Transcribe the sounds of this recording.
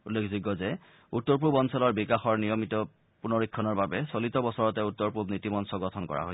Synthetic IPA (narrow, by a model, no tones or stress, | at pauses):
ulːekʰzuɡɔzɛ | utːɔɹp̬ubɔnsɔlɔɹbikaxɔɹnijɔmitɔ | punɔɹikʰːɔnɔɹbabɛsolitɔbɔsɔɹɔtɛutːɔɹpubnitimɔnsɔɡɔtʰɔnkɔ̰ɹa̰ɦoj